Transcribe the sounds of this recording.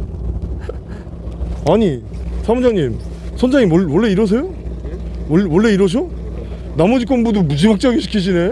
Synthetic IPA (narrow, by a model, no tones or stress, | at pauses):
aɲi | sʰamud͡ʑaŋɲim | sʰʌnd͡ʑaŋimwʌwʌɭːe̞iɾwʌs̬ʰe̞jo | wʌɭːe̞iɾʌɕ̬ʰo | namʌd͡ʑik͈ombudomud͡ʑimak̚t͡ɕ͈aɡiɕʰi̥kʰiɕʰine